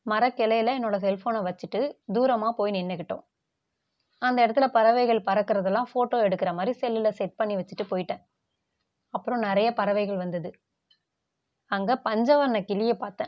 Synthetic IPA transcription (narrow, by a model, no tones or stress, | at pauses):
mɐɾɐkːɪlɐjɪlɐɛnːoːɽɐsɛlfoːnɐʋɐt͡ʃːɯʈːɯd̪uːɾɐmaːpoːjnɪnːɐkːɪʈːõ̰ː | ɐnd̪ɐɪɽɐt̪ːɪlɐpɐɾɐʋɐɪɣɐɭpɐɾɐkːɪɾɐðɛlːãːfoːʈːoːɛɽɯkːɪɾɐmaːd̪ɾisɛlːɪlɐsɛʈ̚pɐɳːiʋɐt͡ʃːɯʈːɯpoːjɪʈːẽː | ɐpːɯɾõnɪɾɐjɐpɐɾɐʋɐɪɣɐɭʋɐnd̪ɐðɯ | ɐŋɡɐpɐɲd͡ʒɐʋɐɾɐnɐkɪlɪjepaːɾt̪ẽː